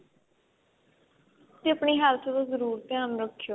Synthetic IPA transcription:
t̪eːəpɳiːɦalt̪ʰːd̪oːzəɾuːɾt̪ɪjaːmɾəkʰːjoː

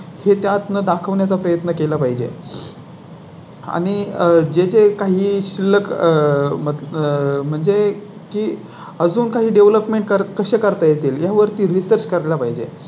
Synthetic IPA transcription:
het̪jat̪nəd̪akʰəʋnjat͡sapɾəjət̪nəkelapaɦid͡ʑḛ | a̰ɽ̃id͡ʑed͡zekaɦiːɕilːək | məm̤əɳd͡ze | kiː | əd͡zuːnkaɦiːɖeʋləpmeɳʈ̚kəɾkəɕekəɾt̪ajet̪iːljaʋəɾt̪iːɾisəɾt͡ɕkəɾelapaɦid͡ʑḛ

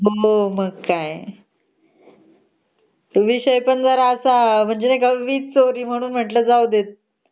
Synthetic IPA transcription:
ɦooməɡkaj | t̪əʋiɕəjpəɳd͡zəɾaəsam̤əɳd͡zenajkaʋiːt͡st͡soɾiːm̤əɽ̃uːnm̤əʈləːd͡zawd̪et̪̚

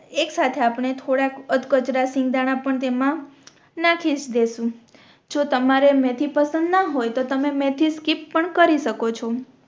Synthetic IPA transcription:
eksat̪ʰeapɳet̪ʰoɽakəd̪kət͡ʃɾasɪ̃ŋɡd̪aɽ̃ãpəɳt̪emã | nakʰid͡ʒd̪esũ | d͡ʒot̪əmaɾemɛ̃t̪ʰipəsənd̪naɦojt̪ot̪əmemɛ̃t̪ʰiskipːəɳkəɾiʃəkot͡ʃʰo

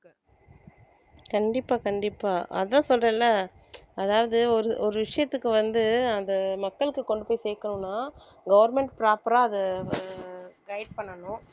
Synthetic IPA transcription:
kɐɳɖɪpːaːkɐɳɖɪpːaːʔɐ̰ðɐt̪ãːsɔlrɐːlːa | ɐðaːʋɐðɯɔɾɯʔɔɾɯʋɪʂɐjɐt̪ːɯkːɯʋɐnd̪ɯɐnd̪ɐmɐkːɐɭɯkːɯkɔɳɖɯpoːjseːkːɐɳʊ̃nːaː | ɡɐʋɐɾmɛɳʈpɪɾaːpɐɾaːɐðɐ | ɡɐɪɖ̚pɐɳːɐnʊ̃

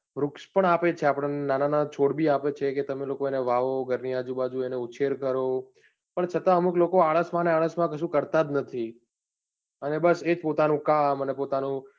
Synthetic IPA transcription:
ɾʊkspəɳapet͡ʃʰeapɽ̃nenananat͡ʃʰoɽbiapet͡ʃʰeket̪əmelokoeneʋaʋoɡʱəɾniad͡ʒubad͡ʒueneut͡ʃʰeɾkəɾo | pəɳt͡ʃʰət̪aəmuklokoaɽ̃əsmãneaɭ̃əsmãkəʃũkəɾt̪ad̪nət̪ʰi | ənebəsed͡ʒpot̪anũkamənepot̪anũ

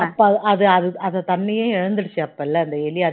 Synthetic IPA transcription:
ɐpːõʔɐðɯɐðɯɐðɐt̪ɐnːɪjẽːɪɻɐnd̪ɯɽɯt͡ʃːɯɐpːɐɛlːɐɐnd̪ɐɛlɪɐ

